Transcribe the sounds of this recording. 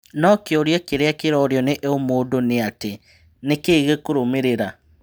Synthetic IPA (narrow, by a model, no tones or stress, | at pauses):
nɔkeoɾjekeɾeakeɾɔɾjɔneʔomoːdoneate | nekeiɣekoɾomeɾeɾa